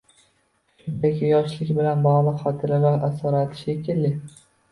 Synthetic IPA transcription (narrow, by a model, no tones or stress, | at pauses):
ʃʊnd̪akʲʰɪjɒʃlɪkʲbɪlanbɒʁlˠɪqχɒt̪ʰɪɾalaʔasɒɾat̪ʰɪ̥ʃekʲʰɪlːɪ